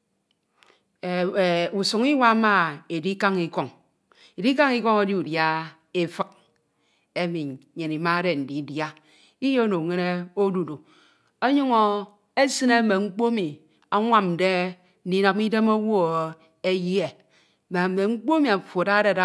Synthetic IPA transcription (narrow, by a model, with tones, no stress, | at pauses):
u˨su˨ŋi˦wa˦ma˦e˨di˦ka˦ŋi˨ko˦ŋ | e˨di˦ka˦ŋi˦ko˦ŋe˨di˦u˨dja˦ | e˦fɨ˦k̚ | e˦mi˨ɲe˨ni˨ma˦de˨n̩˨di˨˦dja˦ | i˦je˦no˨ŋe˦ne˦o˦du˨du˨ | o˦ɲo˦ŋo˨ | e˦sɨ˦ne˦me˨ŋ͡m̩˦k͡po˦mi˨ | a˦ŋʷa˦m̩˨de˦ | n̩˦di˦no˦m˦i˦de˦mo˦wo˦ | e˦ji˦e˨ | me˨me˨ŋ͡m̩˦k͡po˦mi˨a˨fo˨da˦de˦˨da˦